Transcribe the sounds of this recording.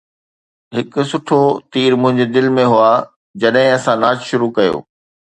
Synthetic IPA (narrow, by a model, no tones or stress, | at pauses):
ɦɪkʊ̆sʊʈʰot̪iːɾmʊ̃ɦɪ̃ɲd͡ʑed̪ɪlmẽɦuaː | d͡ʑɐɗɦɪ̃ɐsãnaːd͡ʑʃʊɾukɐjo̰ː